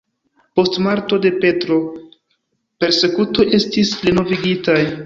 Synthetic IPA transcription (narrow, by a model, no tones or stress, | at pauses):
po̞stmaɾto̞de̞pe̞tɾo̞ | pe̞ɾse̞kuto̞jʔe̞stispleno̞viɡitaj